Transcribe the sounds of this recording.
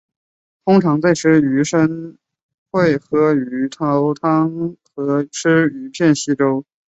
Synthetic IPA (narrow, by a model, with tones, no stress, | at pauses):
t̪ʰʊ˥ŋʈ͡ʂʰɑ˧˥ŋt͡sa˥˧ɪʈ͡ʂʰɻ̩˥˩y˧˥ʂə˥n | xwe˥˩ɪxɤ˧˥y˧˥t̪ʰɑ˧˥ʊt̪ʰɑ˥ŋxɤ˧˥ʈ͡ʂʰɻ̩˥y˧˥pʰjɛ˥˩nɕi˥ʈ͡ʂo˥ʊ